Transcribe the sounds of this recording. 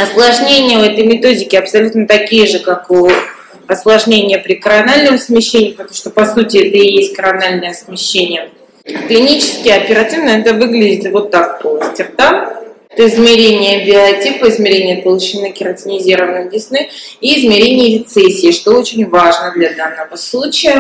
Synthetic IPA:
ɐslˠɐʐnʲenʲɪjəɛt̪əjmʲɪt̪o̞dʲɪkʲɪɐpsɐlʲut̪nət̪ɐkʲijəʐɨkaku | ɐslˠɐʐnʲenʲɪjəpɾʲɪkəɾɐnalʲnəxsmʲɪɕːenʲɪjpət̪ɐmuʂt̪opɐsutʲɪɛt̪əɪjesʲt̚ʲkəɾɐnalʲnəjəsmʲɪɕːenʲɪjə | klʲɪnʲit͡ɕɪ̥skʲɪjɐpʲɪɾɐtʲivnəɛt̪əvɨɡlʲɪdʲɪt̪vo̞t̪ːak̚posʲtʲɪrt̪amɛt̪əɪzmʲɪɾʲenʲɪjəbʲɪɐtʲipəɪzmʲɪɾʲenʲɪjəpəlˠʊt͡ɕɪnɨkʲɪɾɐtʲɪnʲɪzʲiɾəvənɨjlʲɪsnɨiːzmʲɪɾʲenʲɪjəɾʲɪt̪sɛsʲːɪːʂt̪oot͡ɕɪnʲvaʐnəd̪lʲɐd̪anːəvəslˠut͡ɕɪjə

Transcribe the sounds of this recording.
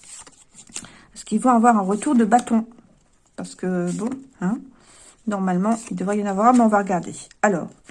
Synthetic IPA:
sə̥kilvãavwaʁɛ̃ʁət̪uʁd̪əbat̪ɔ̃ | paʁsə̥kəbɔ̃ɛ̃ | nɔʁmalmɑ̃ild̪əvʁɛjɛ̃navwaʁablɑ̃vwaʁəɡaʁd̪ealɔ̰ːʁ

